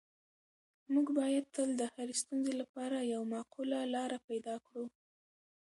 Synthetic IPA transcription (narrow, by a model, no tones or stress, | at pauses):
muɡbɑjad̪̚t̪əld̪əhaɾist̪unzelapɑɾajawmɑqulalɑɾapajd̪ɑkɽu